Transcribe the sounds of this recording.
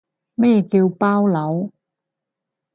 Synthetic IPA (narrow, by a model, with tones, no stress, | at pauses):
mɛː˥kiː˧wpaː˥wlɐ˨˥w